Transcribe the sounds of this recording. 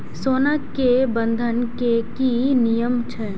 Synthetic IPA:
soːnakebənd̪ʱənkekinijəmt͡ʃʰɛ

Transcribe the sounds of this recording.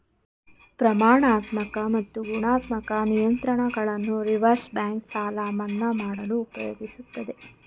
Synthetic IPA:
pɾɐmaːɳaːt̪mɐkɐmɐt̪ːuɡuɳaːt̪mɐkɐnijɐnt̪ɾɐɳɐɡɐɭɐnːuɾiʋɐɾsbjaːŋksaːlaːmɐnːɐmaːɽɐluːpɐjo̰ːɡisut̪ːɐd̪e̞

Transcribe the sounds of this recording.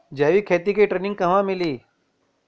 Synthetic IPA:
d͡ʒaːʋikʰeːt̪ikeʈɾeːnɪ̃ŋɡ̚kɐɦʋãːmɪliː

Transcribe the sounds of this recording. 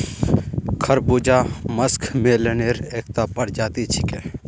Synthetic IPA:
kʰəɾbuːd͡ʒaməskʰmẽleneːɾeːk̚t̪aːpəɾd͡ʒaːt̪it͡ʃʰi̥keː

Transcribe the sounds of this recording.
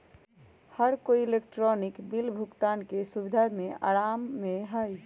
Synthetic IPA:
həɾkoielekʈɾɔnikbilbʱukt̪ankesubid̪ʱamea̰ɾamːeɦəj

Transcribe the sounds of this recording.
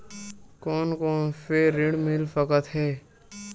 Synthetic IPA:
koːnkoːnfeɾɪɽmɪlfəkət̪ɦɛː

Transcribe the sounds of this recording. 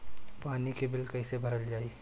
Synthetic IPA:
paːnikebɪlkɐisebʱɐɾəld͡ʒaːi

